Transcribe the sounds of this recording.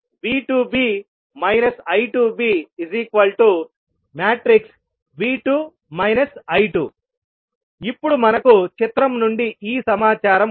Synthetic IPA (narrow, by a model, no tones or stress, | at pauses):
ʋiːʈuːbiː | mɐjnɐsɐjʈuːbiːizikʋɐlʈu | maːʈɾiks | ʋiːʈuː | mɐjnɐsɐjʈṵ | ipːuɽumɐnɐkut͡ʃit̪ɾɐmnuɳɖiʔiːsɐmaːt͡ʃaːɾɐm